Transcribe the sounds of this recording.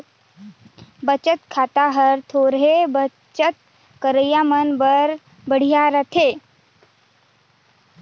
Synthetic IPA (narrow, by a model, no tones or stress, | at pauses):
bət͡ʃət̪kʰat̪aɦəɾt̪ʰoɾɦebə | t͡ʃət̪̚ | kəɾəjamənbəɾ | bəɽ̤ijaɾət̪ʰe